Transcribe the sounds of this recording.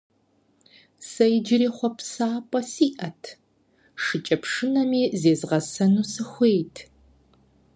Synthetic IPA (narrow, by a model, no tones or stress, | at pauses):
sɐjd͡ʒɪɾiːχʷɔpsaːpʼɐsiːʔɐtʰ | ʂɨt͡ʃʼɐpʂɨnɐmiːzeːzʁɐsɐnuːsɨxʷeːtʰ